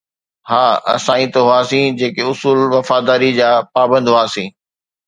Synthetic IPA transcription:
haːɐ̰sãːĩt̪ɐɦʊaːsĩːd͡ʑeːkeʊsuːlʋɐfaːd̪aːɾid͡ʑaːpaːbə̃nd̪ʱɦʊaːsĩː

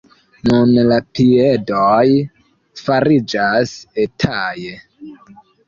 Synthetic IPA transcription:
nunlapiedoj | faɾid͡ʒasetʰaje

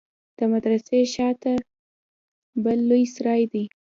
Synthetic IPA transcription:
d̪̥əmad̪ɾaseʃɑt̪a | bəlːojsɾɑjd̪i

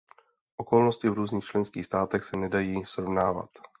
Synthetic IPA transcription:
ʔo̞kolnoscɪvɾuːzɲiːxt͡ʃlɛnskiːxst̪aːt̪ɛxsɛnɛdajiːsɾovnaːva̰t̪

